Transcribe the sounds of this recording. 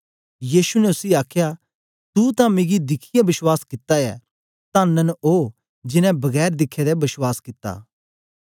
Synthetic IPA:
jiːʃunɛʊsiaːkʰja | t̪ut̪ãmẽːɡid̪ɪkʰɪjabɪswaːskɪt̪ːajɛ̰ | t̪ãːnənoː | d͡ʒɪnɛ̃bɐɡɛːɾd̪ɪkʰːɛd̪ɛbɪswaːskɪt̪ːa̰ː

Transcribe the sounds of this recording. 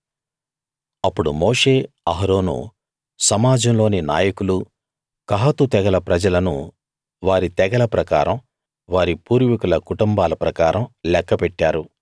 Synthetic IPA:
ɐpːuɽumoːʂe̞ː | ɐɦɾoːnṵ | sɐmaːd͡ʒɐmlo̞ːnina̰ːjɐkulu | kɐɦɐt̪ut̪ɛɡɐlɐpɾɐd͡ʒɐlɐnṵ | ʋaːɾit̪ɛɡɐlɐpɾɐkaːɾɐm | ʋaːɾipuːɾʋikulɐkuʈumbaːlɐpɾɐkaːɾɐmlɛkːɐpɛʈːaːɾu

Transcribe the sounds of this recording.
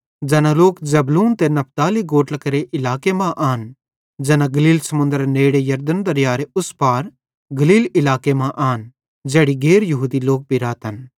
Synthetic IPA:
d͡ʒɛːnaloːkzɐbluːnt̪enɐp̚t̪aːliɡoːʈlɐkɐɾeʔɪlaːkemãʔaːn | d͡ʒɛːnãɡɐliːlsɐmʊ̃nd̪əɾneːɽejɐɾd̪ənd̪ɐɾjaːɾeʊspaːɾ | ɡɐliːlɪlaːkemãʔaːn | d͡ʒɛːɽiɡeːɾjɐɦuːd̪iloːk̚bʱiɾaːt̪ɦɐn

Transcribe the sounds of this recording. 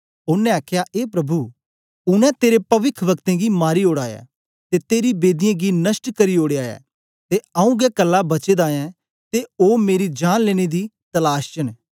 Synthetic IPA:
ʊnːɛ̃aːkʰjaʔeːpɾɐbʱu | ʊnɛ̃t̪eːɾepɐʋɪkʰʋɐkt̪ẽɡimaːɾioːɽaːja̰ | t̪et̪eːɾibeːd̪ɪjãɡinɐsʈkɐɾioːɽeaːja̰ː | t̪eɐũɡɛkɐlːabɐt͡ʃed̪aːjɛ̃ | t̪eoːmeːɾid͡ʒaːnleːɽ̃ed̪it̪ɐlaːʃt͡ʃən

